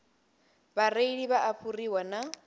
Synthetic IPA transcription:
bareiɺiβaʔaɸʰuriwana

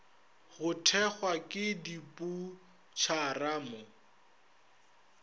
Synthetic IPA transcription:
ɣʊtʰɛχwakʼɪdipʼu | t͡ʃʰaraːmʊ

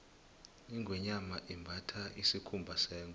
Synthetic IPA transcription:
iŋɡwɛɲamaʔimbʱatʰaʔisikʰumbʱasɛːŋɡ

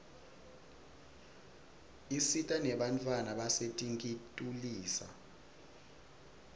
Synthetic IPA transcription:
isitʼanɛɓantʼwanaɓasetʼiŋkʼitʼuliːsa̰

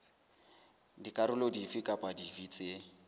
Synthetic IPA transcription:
dikʼaɾʊlodifikʼapʼadivit͡sʼe

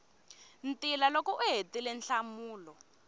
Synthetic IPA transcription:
ntilalokɔʔuɦetilɛnɬamuːlɔ

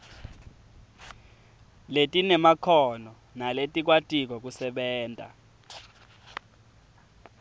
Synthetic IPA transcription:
letʼinɛmakʰɔnɔ | naletʼik̬watʼik̬ɔk̬usɛɓɛːntʼa̰

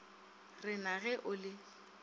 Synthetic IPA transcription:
rɪnaɣɛʔʊlɪ

